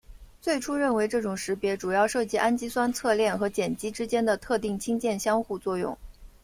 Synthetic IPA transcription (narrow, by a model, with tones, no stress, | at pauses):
t͡swe˥˩ɪʈ͡ʂʰu˥ɻə˥˩nwe˧˥ɪʈ͡ʂɤ˥˩ʈ͡ʂʊ˨˩ŋʂɻ̩˧˥pjɛ˧˥ʈ͡ʂu˨˩jɑ˥˧ʊʂɤ˥˩t͡ɕi˥ʔa˥nt͡ɕi˥swa˥nt͡sʰɤ˥˧ljɛ˥˩nxɤ˧˥t͡ɕjɛ˨˩nt͡ɕi˥ʈ͡ʂɻ̩˥t͡ɕjɛ˥nd̪ə˨t̪ʰɤ˥˧t̪i˥˩ŋt͡ɕʰi˥ŋt͡ɕjɛ˥˩nɕjɑ˥ŋxu˥˧t͡swɔ˥˧jʊ̰˥˩ŋ